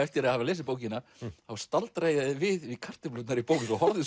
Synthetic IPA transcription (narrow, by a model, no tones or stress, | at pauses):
ɛft̪jɛɾahavalejspoːwcɪnaθawst̪alt̪ɾaːjaðɪvɪðɪkʰar̥t̪ɪplʏt̪naɾipowkɪsɔhɔɾðɪ